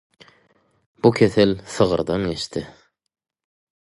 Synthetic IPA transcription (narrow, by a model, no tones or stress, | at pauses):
b̥ukʲʰeθɘlsɤʁɤ̰̆ɾd̪ɑnɡʲeʃt̪ɪ